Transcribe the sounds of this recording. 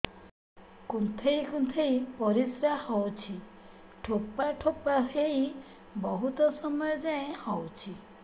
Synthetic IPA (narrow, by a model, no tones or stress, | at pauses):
kunt̪ʰejkunt̪ʰejpɔɾisɾahɔwt͡ʃʰi | ʈʰokːaʈʰopaɦej | bɔɦut̪ɔsɔmɔjɔd͡ʒaẽhɔwt͡ʃʰi